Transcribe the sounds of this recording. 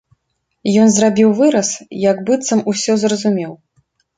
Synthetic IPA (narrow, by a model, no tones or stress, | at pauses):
jɔnzrabʲiwvɨɾɐsjɐɡbɨt̪sɐmusʲɔzrɐzumʲɛw